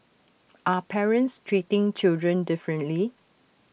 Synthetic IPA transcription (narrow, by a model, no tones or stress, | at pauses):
ʔapʰɛɹə̃ntstʰɹitɪ̃ŋt͡ʃɪldɹə̃ndɪfɹə̃ntli